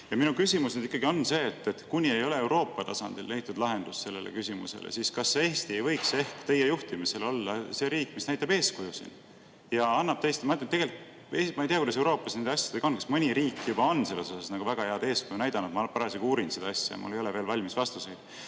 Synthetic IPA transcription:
jɑminukysʲimusnyd̪ikːˑɑɡio̞nːse̞ːt̪ːet̪kunʲie̞jo̞le̞e̞wɾo̞ːpːˑɑt̪ɑsɑ̰nd̪̥ḭlːejt̪ːˑud̪lɑɦe̞nd̪̥usse̞lːelḛkysʲimṵse̞̰lḛsiskɑseːst̪ie̞jvɤ̞jkse̞hkt̪e̞jejuht̪imise̞lo̞lːɑse̞ɾiːkːˑmisnæjt̪ːˑɑb̥e̞ːskujusḭn | jɑɑnːɑb̥̚t̪ejst̪mɑet̪ːɑnt̪ːe̥elit̪ | emɑejt̪iːɑkud̪ɑs̬ewɾo̞ːpːˑɑsnend̪ɑsʲjɑ̥d̪̥eɡ̥ɑonkɑsmɯnʲiɾiːkːˑjub̥ɑo̞nːse̞lːe̞sosɑsnɑɡ̥uvæɡ̥ɑheɑd̪e̞ːskujunæjd̪̥ɑnut̪mɑpɑɾɑsekuːɾinsed̪ɑɑsʲjɑ̰jɑ̰mṵlːejo̞le̞ve̞ːlvɑlʲmisvɑst̪use̞jd̪̥

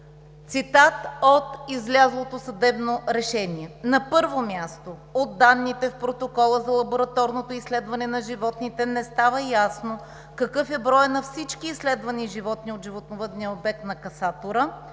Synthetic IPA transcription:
t̪sit̪at̪ot̪izlʲazlˠot̪osɐd̪ɛbnoɾɛʃɛniɛnɐpɤɾvomʲjast̪ood̪ːanːit̪ɛfpɾot̪okɔlˠəzɐlˠɐboɾɐt̪ɔɾnot̪oislɛd̪vɐnɛnɐʒivɔt̪nit̪ɛnɛst̪avəjasno | kɐkɤfɛbɾɔjnɐfsit͡ʃkiːslɛd̪vɐniʒivɔt̪niod̪ʒivot̪novəd̪niəobɛk̚t̪nɐkɐsat̪oɾə

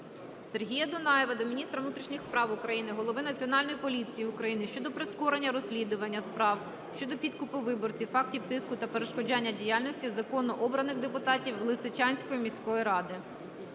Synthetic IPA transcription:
se̞rɦʲijɐd̪ʊnɑjɛʋɐd̪ɔmʲinʲist̪ɾɐʋnut̪ʲɾʲiʃnʲixspɾɑwʊkɾɐjinɪɦɔlˠɔʋɪnɐt͡sʲiɔnɑlʲnɔjipɔlʲit͡sʲijiʊkɾɐjinɪʃt͡ʃɔd̪ɔpɾɪskɔɾenʲːɐɾɔsʲlʲid̪ʊʋɐnʲːɐspɾɑw | ʃt͡ʃɔd̪ɔpʲit̪kʊpʊʋɪbɔrt͡sʲiwfɑk̚tʲiwt̪ɪskʊt̪ɐpeɾeʃkɔd͡ʒɑnʲːɐdʲijalʲnɔsʲtʲizɐkɔnɔʔɔbɾɐnɪɣd̪epʊt̪ɑtʲiwlˠɪsɪt͡ʃɑnʲsʲkɔjimʲisʲkɔʋjiɾɑd̪ɪ

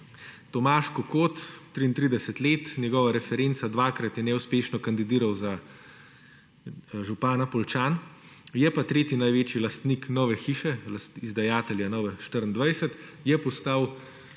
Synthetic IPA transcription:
t̪ɔmaːʃkɔkoːt̪ːɾiːnt̪ɾid̪ɛsɛt̪leːt̪njɛɡɔːʋaɾɛfɛɾent̪sad̪ʋaːkɾat̪jɛnɛuspeːʃnɔkand̪id̪iːɾawza | ʒupaːnapɔlt͡ʃaːn | jɛpat̪ɾeːt̪inajʋeːt͡ʃjilast̪niknɔːʋɛxiːʃɛlasizd̪ajaːt̪ɛljanɔːʋɛʃt̪əɾənd̪ʋajsɛt̪jɛpɔst̪aːw

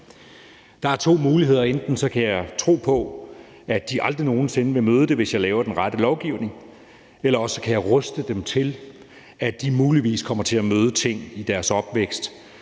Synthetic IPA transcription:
d̥ɑ̈æɐt͡sʰo̝̰ːmuːliɦe̝ð̰ˠɐend̥n̩sɒ̽kʰæjɑ̈ɪt͡sʰʁo̝̰ːpʰɒ̽ | æd̥iʔɑ̈ld̥ʁino̝ːn̩se̝nəʋe̝møːð̞ˠəd̥e̝ʋe̝sjɑ̈ɪlɛːʊɐd̥enʁɑɾ̥əlɒʊɡ̥iʊ̰ne̝ŋ | elɐɒ̽sːɒ̽kʰæjɑ̈ɪʁɔsd̥əd̥emt͡sʰe̝l | æd̥imuːliʋḭːskʰɒ̽m̰ɐt͡sʰe̝læmøːð̞ˠət͡sʰe̝ŋ̰id̥æɐsɒ̽b̥ʋeɡ̥sd̥

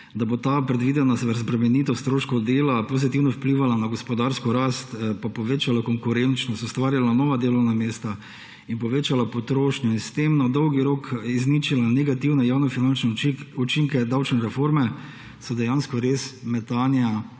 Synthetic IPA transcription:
d̪abot̪apɾɛd̪ʋid̪ɛnasʋɛɾsbɾɛmɛniːt̪ɔst̪ɾoːʃkɔwd̪eːlapozit̪iwnɔwpliʋalanaɡɔspɔd̪aɾskɔɾast̪papɔʋeːt͡ʃalakɔŋkuɾent͡ʃnɔst̪ust̪ʋaːɾjalanɔːʋad̪eːlɔwnameːst̪a | inpɔʋeːt͡ʃalapɔt̪ɾoːʃnʲjɔinst̪emnad̪ɔwɡiɾokiznit͡ʃilanɛɡat̪iwnɛjawnɛfinant͡ʃnɛut͡ʃiŋkɛd̪awt͡ʃnɛɾɛfoɾmɛ | sɔd̪ɛjanskɔɾesmɛt̪aːnja

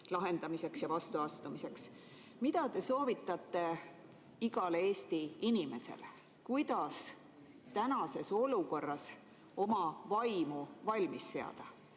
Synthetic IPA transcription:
lɑɦe̞nd̪̥ɑmise̞ksjɑvɑst̪uɑst̪umise̞ks | mid̪ɑt̪e̞so̞ːvit̪ːˑɑt̪ːˑe̞ | iɡ̥ɑlee̞ːst̪iinime̞se̞̰le | kujd̪̥ɑs | t̪ænɑse̞so̞luko̞rːɑs | o̞mɑvɑjmuvɑlʲmisːe̞ɑ̰d̪̥ɑ

